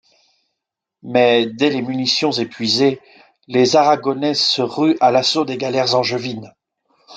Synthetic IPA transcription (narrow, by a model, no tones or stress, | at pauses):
mɛd̪ɛlemynisjɔ̃zepɥize | lezaʁaɡɔnɛsəʁyʔalasod̪eɡalɛʁzɑ̃ʒəvin